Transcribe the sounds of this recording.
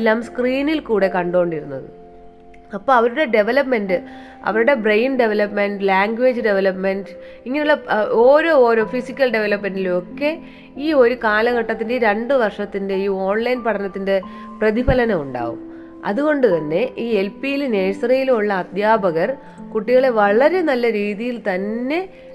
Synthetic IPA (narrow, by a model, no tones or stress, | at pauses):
ilːaːmskriːnilkuːɽe̞kɐɳɖo̞ːɳɖiɾunːɐðɨ | ɐpːoːɐʋɐɾuɽe̞ɖe̞ʋɐlɐpme̞ndɨ | ɐ̰ʋɐɾuɽe̞brejnɖe̞ʋɐlɐpme̞ɳɖɨlaːŋɡwe̞ːd͡ʑɨɖe̞ʋɐlɐpmeɳɖ | iŋːɐnejuɭːɐoːɾo̞ːoːɾo̞ːfisikʲːɐlɖe̞ʋelɐpmenɖiluo̞kːe̞ | iːo̞ɾukaːlɐɣɐʈːɐt̪ːindeiːɾeɳɖɨʋɐrʂɐt̪ːinde̞iːo̞ːnlɐjnpɐʈʰɐnɐt̪ːinde̞ | prɐðibʱɐlɐnɐuɳɖa̰ːɣṵm | ɐ̰ðuɣo̞ɳɖɨt̪ɐnːe̞ʔiːelpijilne̞ːsrɐjilumuɭːɐːd̪ʱjaːbɐɣɐr | kuʈːiɣɐɭe̞ʋɐɭɐɾe̞nɐlːɐɾiːðijilt̪ɐnːe̞